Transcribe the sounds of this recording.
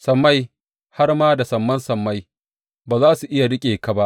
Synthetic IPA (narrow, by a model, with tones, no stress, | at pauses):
sɐ˨mːa˦j | ha˦rmaː˦da˨sɐ˨mːɐ˦nsɐ˨mːa˦j | baː˨zaː˦su˨ʔɪ˦ja˨dʊ˦kʲʼeː˨ka˨ba˦ʔ